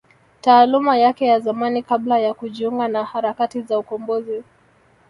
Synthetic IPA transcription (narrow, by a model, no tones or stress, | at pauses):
taːlumajakɛjazamanikablajakuʄiuŋɡanahaɾakatizaukɔmbɔzi